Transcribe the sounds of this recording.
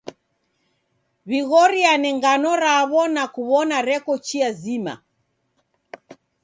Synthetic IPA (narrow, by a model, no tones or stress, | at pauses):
βiɣɔɾianɛŋɡanɔɾaβɔnakuβɔnaɾɛkɔt͡ʃiazima̰